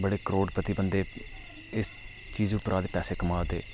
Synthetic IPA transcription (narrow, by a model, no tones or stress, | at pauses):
bəɽeːkəɾoːɖpət̪iːbənd̪eː | ɪs | t͡ʃiːzʊpɾʔaːd̪eːpɛːseːkəmaːd̪ḛː